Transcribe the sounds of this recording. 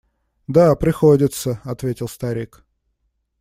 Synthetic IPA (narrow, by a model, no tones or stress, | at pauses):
d̪apɾʲɪxodʲɪt̪səɐt̪vʲetʲɪlˠst̪ɐɾʲik